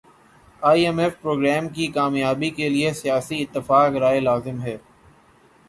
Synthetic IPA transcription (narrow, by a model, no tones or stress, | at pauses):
aːiɛmɛfpɾoːɡɾɛːmkikaːmjaːbikeliesijaːsiɪt̪ːɪfaːkɾaːelaːzɪmɦɛː